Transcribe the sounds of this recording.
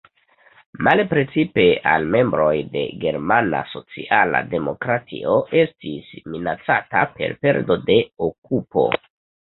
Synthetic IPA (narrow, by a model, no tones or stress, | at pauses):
malpɾe̞t͡sipe̞ʔalme̞mbɾo̞jde̞ɡe̞ɾmana̰so̞t͡siʔala̰de̞mo̞kɾatʰḭo̞e̞stisminat͡satape̞̰ɾpe̞ɾdo̞de̞ok̚upo̞̰